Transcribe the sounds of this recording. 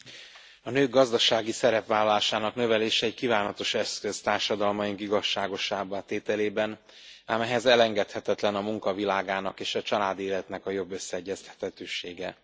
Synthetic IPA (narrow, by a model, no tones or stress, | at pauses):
ɒnøːɡɡɒzd̪ɒʃaːɡisɛɾɛpʋaːlɒlaːʃaːnɒknø̞vɛleːʃɛːckivaːnɒt̪o̞ʃɛskøzt̪aːrʃɒd̪ɒlmɒjiŋkiɡɒʃːaːɡo̞ʃaːbaːt̪eːt̪ɛleːbɛn | aːmɛɦɛzɛlɛŋɡɛt̪hɛt̪ɛt̪lɛnɒmuŋkɒvilaːɡaːnɒkeːʃɒt͡ʃɒlaːd̪eːlɛt̪nɛkɒjo̞bːøsːɛɛɟːɛst̪hɛ̥t̪ɛt̪øːʃeːɡɛ